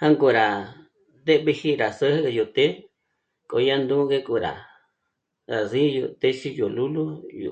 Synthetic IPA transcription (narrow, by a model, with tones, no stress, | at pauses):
hã˦ŋku˧ɾa˨ | d̪e˦βi˧hi˦ɾa˨sə˦hju˨t̪e˦ | ko˧˨˧ja˦nd̪ũ˦ɡe˦kʼu˧ɾa̰˨ | ɾa˨si˦˧jṵ˧t̪e˦ʃi˦jo˨lu˦lu˦jṵ˨